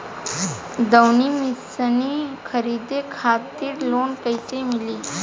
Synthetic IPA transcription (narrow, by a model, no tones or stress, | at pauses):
d̪əwnimisənikʰəɾid̪ekʰat̪iːɾlonkəjt͡semiliː